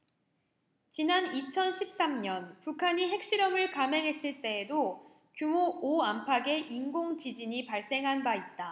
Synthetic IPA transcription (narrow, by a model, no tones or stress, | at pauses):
t͡ɕinanit͡ɕʰʌnɕʰip̚s͈amɲʌnpukʰaɲiɦe̞k̚ɕ͈iɾʌmɯɭkame̞ŋɦe̞s͈ɯɭt͈e̞ːdo | kjumooampʰaɡe̞ʔinɡoŋt͡ɕid͡ʑiɲipaɭs͈e̞ŋɦanbait̚t͈a